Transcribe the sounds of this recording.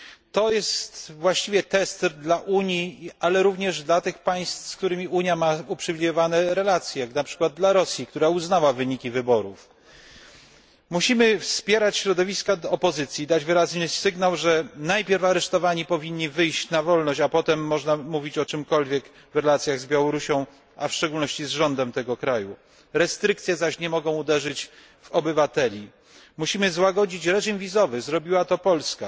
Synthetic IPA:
t̪ɔjɛst̪vwaɕt͡ɕivʲjɛt̪ɛst̪d̪laʔuɲjialɛɾuvɲɛʐd̪lat̪ɘxpaj̃st̪fskt̪uɾɘmʲiuɲjamaupʂɘvʲilʲijɔvanɛɾɛlat̪sʲjɛjaknapʂɘ̥kwad̪̚d̪laɾɔsʲjikt̪uɾauznawavɘɲikʲivɘbɔɾuf | muɕimɘfspʲjɛɾat͡ɕɕɾɔd̪ɔvʲiskad̪ɔpɔzɘt̪sʲjid̪ad͡ʑvɘɾaznɘsɘɡnawʐɛnajpʲjɛɾfaɾɛʂt̪ɔvaɲipɔvʲiɲːivɘjɕt͡ɕnavɔlnɔɕt͡ɕapɔt̪ɛmːɔʐnamuvʲit͡ɕɔt͡ʂɘmkɔlvʲjɛk | vɾɛlat̪sʲjaɣzbʲjawɔɾuɕɔ̃w̃ | afʂt͡ʂɛɡulnɔɕt͡ɕizʐɔnd̪ɛmt̪ɛɡɔkɾaju | ɾɛst̪ɾɘk̚t̪sʲjɛzaɕɲɛmɔɡɔ̃w̃ud̪ɛʐɘt͡ɕ | vɔbɘvat̪ɛlʲi | muɕimɘzwaɡɔd͡ʑit͡ɕɾɛʐimvʲizɔvɘzɾɔbʲiwat̪ɔpɔlska

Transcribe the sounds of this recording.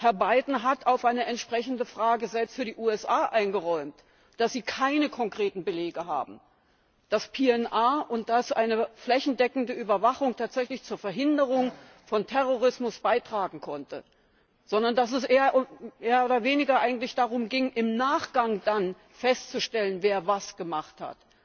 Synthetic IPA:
hɛɐbaɪdn̩ɦatʰaʊfʔaɪnəɛntʃpʁ̥ɛçn̩dəfʁ̥aːɡəzɛlpstfyːɐdiːʔuːɛsʔaːʔaɪnɡəʁɔʏmt | d̥asz̥iːkʰaɪnəkʰɔŋkʁ̥eːtn̩bəleːɡəɦa̰ːbm̩ | d̥aspʰeːɛnʔaːʔʊnt̚d̥asʔaɪnəflɛçn̩dɛkŋ̩dəʔyːbɐvaχʊŋtʰaːtz̥ɛçlɪçt͡suːɐfɛɐɦɪndəʁʊŋ | fɔntʰɛʁoʁɪsmʊsb̥aɪtʁ̥aːɡŋ̩kʰɔntə | z̥ɔndɐndas̬ɛsʔeːɐʔmeːɐoːdɐveːnɪɡɐʔaɪɡŋ̩tlɪçd̥aʁʊmɡɪŋʔɪmnaːχɡ̥aŋd̥an | fɛstt͡suʃtɛlənveːɐvasɡ̥əmaχtha̰t

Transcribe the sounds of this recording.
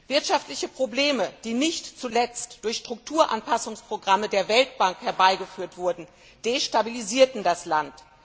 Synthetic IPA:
v̥ɪɐtʃaftlɪçəpʁ̥obleːməd̥iːnɪçtt͡sulɛt͡std̥ʊɐçʃtʁ̥ʊk̚tʰuːɐʔanpasʊŋspʁ̥oɡʁamədeːɐvɛlt̚b̥aŋkhɛɐbaɪɡəfyːɐtv̥ʊɐdn̩ | d̥eːʃtabiliziːɐtn̩daslant

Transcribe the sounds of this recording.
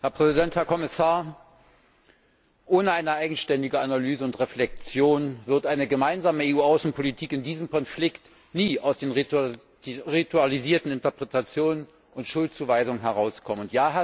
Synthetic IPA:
hɛɐpʁ̥ɛzidɛnthɛɐkʰɔmɪsaːɐ | ʔoːnəaɪnəʔaɪɡŋ̩ʃtɛndɪɡəanalyːzəʊntʁeflɛk̚t͡sjoːnvɪɐtʔaɪnəɡəmaɪnzaːməeuːaʊsn̩pʰolitʰiːkɪndiːzəmkɔnflɪkt | niːaʊsd̥eːn | ʁitualiziːɐtn̩ɪntɐpʁ̥etat͡sjoːnən | ʊntʃʊlt̚t͡suːvaɪzʊŋənɦɛʁ̞aʊskʰɔmənʊntjaːɦa

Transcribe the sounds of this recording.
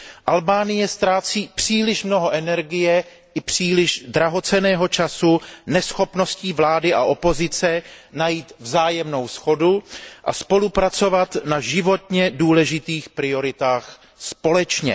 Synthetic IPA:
ʔalbaːnɪjɛst̪ɾaːt͡siːpr̝̥iːlɪʃmno̞ɦo̞ʔɛnɛɾɡɪjɛ | ʔɪpr̝̥iːlɪʃdɾaɦo̞t͡sɛnɛːɦo̞t͡ʃasunɛsxo̞pno̞sciːvlaːdɪʔa̰ʔo̞po̞zɪt͡sɛnajiːt̪vzaːjɛmno̞wsxo̞duʔa̰spo̞lupɾat͡so̞vat̪naʒɪvo̞t̪ɲɛduːlɛʒɪt̪iːxpɾɪo̞ɾɪt̪aːx | spo̞lɛt͡ʃɲɛ̰

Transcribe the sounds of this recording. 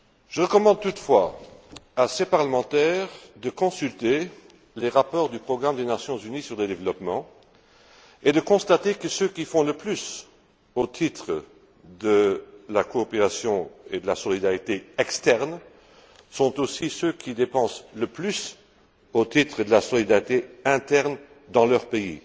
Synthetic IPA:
ʒ̥əʁəkɔmɑ̃d̪̚t̪ut̪fwa | asepaʁləmɑ̃t̪ɛːʁd̪əkɔ̃sylt̪e | leʁapɔʁd̪ypχɔɡʁamd̪enasjɔ̃zynisyʁləd̪evlɔpmɑ̃ | ed̪əkɔ̃st̪at̪ekəsøkʲifɔ̃ləplys | ot̪ʰit̪χə | d̪əlakoːpeʁasjɔ̃ed̪əlasɔlid̪aʁit̪eɛkst̪ɛʁn | sɔ̃t̪osisøkʰʲid̪epɑ̃sləplys | ot̪it̪χəd̪əlasɔlid̪aʁit̪eɛ̃t̪ɛʁn | d̪ɑ̃lœʁpeḭ

